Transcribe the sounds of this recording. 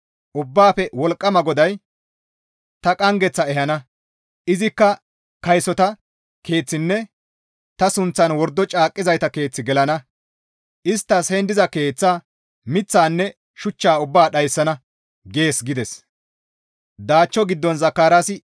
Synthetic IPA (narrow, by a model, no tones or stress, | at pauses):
ʔʊbːaːpɛwɔlkʼːɐmɐɡɔd̪ɐj | t̪ɐkʼɐŋɡɛt͡sːɐɛɦɐnɐ | ʔɪzɪkːɐ | kɐjsɔt̪ɐ | ke̞ːt͡sːɪnːɛ | t̪ɐsʊnt͡sːɐnwɔɾd̪ːɔt͡ʃʼaːkʼːɪzɐjt̪ɐke̞ːt͡sːɪɡɛlɐnɐ | ʔɪst̪ːɐshɛnd̪ɪzɐke̞ːt͡sːaː | mɪt͡sːaːnːɛ | ʃʊt͡ʃːaːʊbːaːɗɐjsːɐnɐ | ɡe̞ːsɡɪd̪ɛs | d̪aːt͡ʃːɔɡɪd̪ːɔnzɐkːaːɾaːsɪ